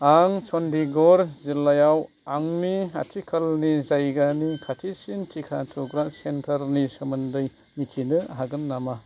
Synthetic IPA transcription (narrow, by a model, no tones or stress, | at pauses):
aŋsɔndiɡɔɾzilːajaw | aŋnia̰tʰikʰɐlnizajɡanikʰatʰisintʰikʰatʰuɡɾasentʰɐɾnisɐmɯndɯj | mitʰinɯɦaɡɯnːama